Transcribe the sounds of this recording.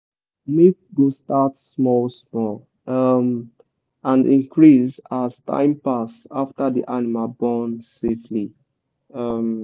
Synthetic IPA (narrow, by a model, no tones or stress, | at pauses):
met̚ɡostatsmɔlsmɔl | ʌm | ãndḭ̃ŋkʰɹisaztʰã̰ɪ̃mpasaftadḭʔanimalbɔnsefli | ʌm